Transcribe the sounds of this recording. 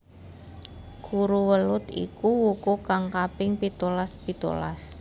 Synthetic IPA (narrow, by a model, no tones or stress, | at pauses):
ɡ̥uɾuwəlʊt̪ḭkuwukukaŋkapɪŋpit̪olaspit̪o̰la̰s